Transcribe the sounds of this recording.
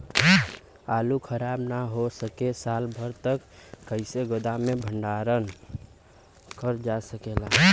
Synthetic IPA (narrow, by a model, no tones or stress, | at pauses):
alukʰəɾabnaɦosəkesalbʱəɾt̪əkːəɪseɡod̪amebʱəɳɖaɾən | kəɾd͡ʒasəkela